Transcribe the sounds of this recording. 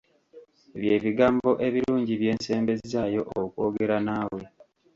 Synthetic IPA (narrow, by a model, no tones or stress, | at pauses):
eβje̞ːβiɡaːmbo̞ʔe̞βiɾuːɲɟiβje̞ːnse̞ːmbe̞zizaːjo̞ʔokuoːɡe̞ɾanaːwe̞